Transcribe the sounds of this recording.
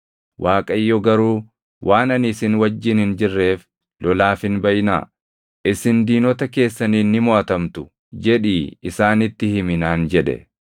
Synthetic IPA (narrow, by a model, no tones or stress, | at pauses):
wʔaːkʼɐjːɔɡɐɾuː | wʔaːnɐnɪsɪnwɐd͡ʒːɪnhɪnd͡ʒɪrːe̞ːf | lɔlaːfɪnbɐjna̰ː | ʔɪsɪnd̪iːnɔt̪ɐke̞ːsːɐniːnːɪmoɐt̪ɐmt̪ʊ̥ | d͡ʒɛᶑiːɪsaːnɪt̪ːɪhɪmɪnaːnd͡ʒɛᶑɛ̰